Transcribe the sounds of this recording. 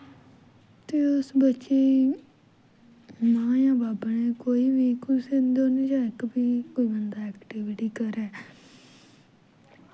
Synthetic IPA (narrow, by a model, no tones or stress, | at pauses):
t̪eːʊsbətːʃeː | mãːjãːbaːbnẽːkoːiːʋiːkʊsed̪oːnẽːd͡ʒãːɪkbiːkoːiːbənd̪aːɛːkʈiːʋɪʈiːkəɾɛː